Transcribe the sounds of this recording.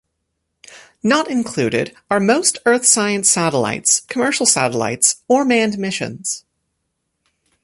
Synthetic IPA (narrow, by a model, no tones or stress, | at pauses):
nəɾɨ̃nkʰl̥ʉɾɪ̰ɾ | ə˞moʊstʰɜ˞θsaɪɨ̃nsæɾəla̰ɪtskʰəmɜ˞ʃl̩ˠsæ̰ɾəla̰ɪtsə˞mæ̃nmɪʃɨ̰̃nz̥